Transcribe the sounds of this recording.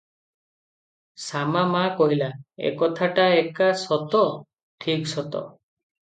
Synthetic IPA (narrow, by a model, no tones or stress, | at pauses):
samamakɔɦilaḛkɔt̪ʰaʈaekasɔt̪ɔ | ʈʰiksɔt̪ɔ̰